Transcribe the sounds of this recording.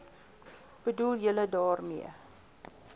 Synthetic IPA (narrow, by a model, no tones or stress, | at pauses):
b̥əduljələdɑːrmiə